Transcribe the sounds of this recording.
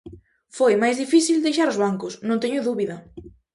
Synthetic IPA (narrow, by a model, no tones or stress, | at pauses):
fojmajzðifiθild̪ejʃaɾʊzβaŋkʊsnõnt̪eɲoðuβiðɐ